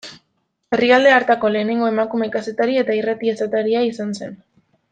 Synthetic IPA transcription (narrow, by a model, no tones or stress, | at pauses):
e̞riald̪e̞aɾt̪ako̞le̞ːne̞ŋɡo̞e̞makume̞kase̞t̪aɾie̞t̪airat̪iesat̪aɾiaisanse̞̰n